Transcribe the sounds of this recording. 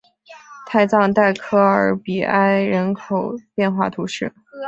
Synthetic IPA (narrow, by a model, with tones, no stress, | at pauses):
t̪ʰa˥˧ɪt͡sɑ˥˧ŋt̪a˥˩ɪkʰɤ˥ə˞˧˥pi˨˩a˥ɪɻə˧˥nkʰo˨˩ʊpjɛ˥˧nxwa̰˥˩t̪ʰu˧˥ʂɻ̩˥˩